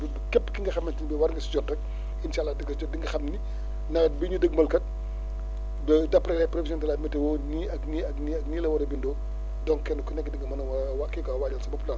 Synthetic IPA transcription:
bbkɛpːkiŋɡɐxɐmːɐntinbɛwɐɾŋɡɐsid͡ʒɔtːɐk̚ | insalːaːdiɡɐsd͡ʒɔdiŋɡɐxɐmni | nɐɐbiɲudəɡ̚mɐlkɐt̚ | bɛdɐpːɾɛlɛpɾɔfisɔntɛlatmɐtɛwɔniɐkniɐkniɐk̚niːlɐwɐɾɐbindɔː | dɔŋkɛnukɔnɛkːdiŋɡɐmɐnɐwɐ | wakːɛkɐwaːɟɐlsɐbɐplɐn

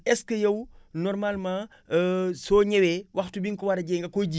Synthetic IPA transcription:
ɛskəjɐwnɔrmalmãː | sɔːɲɛwɛwɐxtubiŋkɔwɐɾɐɟɛŋɡɐkɔjɟi

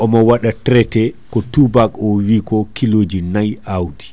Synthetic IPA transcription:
ʔɔmɔwaɗatɾɛtɛkɔtubakɔwikɔkiloːd͡ʒinajawdi̥

